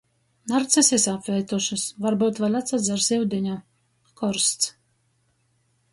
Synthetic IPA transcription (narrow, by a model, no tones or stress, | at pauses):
naɾt̪sasɛsapvʲɛːt̪uʃɨsvaɾbut̪valʲat̪sad̪zaɾsʲɛwd̪ʲinʲɔ | kɔɾst̪s